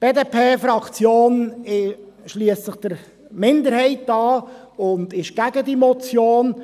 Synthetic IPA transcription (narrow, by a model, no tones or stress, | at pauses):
b̥eːdeːpʰeːfɾɑkt͡sjoːnɪ | ʃliəst͡sɪχd̥əɾ | mɪndəɾhɛɪtɑː | ʊnd̪ɪʃɡ̥æɡədimɔt͡sjoːn